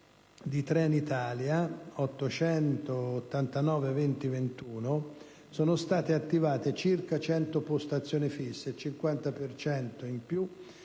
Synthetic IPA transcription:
d̪it̪ɾɛnit̪aːljaɔt̪ːot͡ʃɛnt̪oːt̪ːant̪anɔːvevɛnt̪ivent̪uːno | soːnost̪aːt̪eat̪ːivaːt̪et͡ʃirkat͡ʃɛnt̪opost̪at̪sːjoːnifisːet͡ʃiŋkwant̪apert͡ʃɛnt̪oimpju

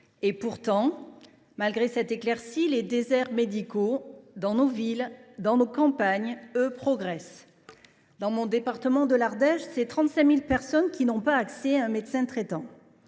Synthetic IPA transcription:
epuʁt̪ɑ̃ | malɡʁesɛt̪eklɛʁsiled̪ezɛʁmed̪ikod̪ɑ̃novild̪ɑ̃nokɑ̃paɲøpχɔɡʁɛs | d̪ɑ̃mɔ̃d̪epaʁt̪əmɑ̃d̪əlaʁd̪ɛʃsɛt̪χɑ̃t̪sɛ̃milpɛʁsɔnkʲʰinɔ̃paːksɛaɛ̃med̪sɛ̃t̪χɛt̪ɑ̃

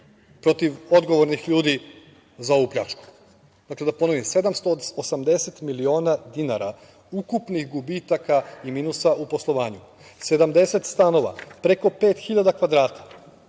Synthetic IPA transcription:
pɾo̞t̪iʋo̞d̪ɡo̞ʋo̞ɾnixʎuːd̪i | zao̞ʋuːpʎʲa̰t͡ʃku̥ | d̪akle̞d̪apo̞no̞ʋimse̞d̪amst̪oosamd̪e̞se̞t̪milio̞ːnad̪inaɾa | ukupnixɡubit̪akaimiːnusaʔupo̞slˠo̞ʋaːɲu | se̞d̪amd̪e̞se̞t̪st̪ano̞ʋa̰pɾeko̞peːt̪xiʎad̪akʋad̪ɾaːt̪ḁ

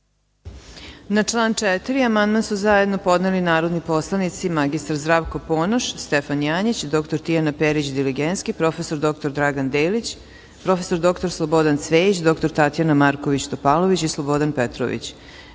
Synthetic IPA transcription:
nat͡ʂlˠaːnt͡ʂɛt̪iɾiamand̪mansuzajed̪no̞po̞d̪nelinaːɾod̪nipo̞slˠanit̪simaɡist̪aɾzd̪ɾaːʋkopoːnoʃst̪efanjaːɲit͡ɕd̪o̞kt̪oɾt̪ijanapeɾit͡ɕd̪iliɡent̪skipɾo̞fe̞soɾd̪o̞k̚t̪o̞ɾd̪ɾaɡand̪eːlit͡ɕ | pɾo̞feso̞ɾd̪o̞kt̪o̞ɾslˠobod̪ant̪sʋeit͡ɕd̪o̞kt̪o̞ɾt̪at̪janamaɾkoʋit͡ɕt̪opalˠoʋit͡ɕislˠobo̞d̪anpet̪ɾo̰ʋḭt͡ɕ

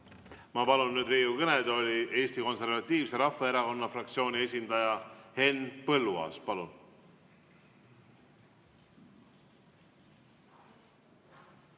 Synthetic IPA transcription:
mɑpɑlunːyːd̪rejukɤned̪o̞lʲiʔe̞ːst̪iko̞nse̞rvɑt̪ʲːˑiːvse̞ɾɑfːɑeɾɑko̞nːɑfrɑkt̪sio̞ːnʲie̞sʲind̪̥ɑjɑhe̞npɤlːuɑ̰spɑlun

